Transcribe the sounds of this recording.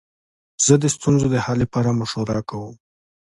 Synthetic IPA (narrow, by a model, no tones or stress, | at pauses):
z̥əd̪əst̪unzod̪əhalepɑɾamʊʃoɾɑkawəm